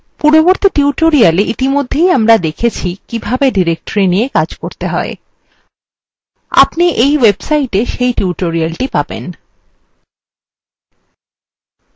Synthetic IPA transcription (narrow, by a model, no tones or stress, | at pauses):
puɾoboɾt̪iʈiuʈoɾialeʔit̪imod̪ʱːejamɾad̪ekʰet͡ɕʰikibʱabeɖiɾek̚ʈoɾinijekad͡ʑkoɾt̪eɦɔe | a̰pniʔejwebsaiʈeʃejʈiuʈoɾialʈipabḛn